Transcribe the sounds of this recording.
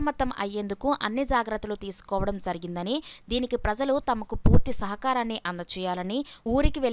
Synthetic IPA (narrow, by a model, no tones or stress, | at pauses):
mɐt̪ːɐmʔɐ̰jːe̞ːnd̪ukuʔɐ̰nːid͡ʒaːɡɾɐt̪ːulut̪iːsu̥kɔːʋɐɽɐmd͡ʒɐɾiɡind̪ɐnid̪iːnikipɾɐd͡ʒɐlut̪ɐmɐkupuːɾt̪isɐɦɐkaːɾaːnːiʔɐnd̪ɐt͡ʃɛːjaːlɐniuːɾikiʋel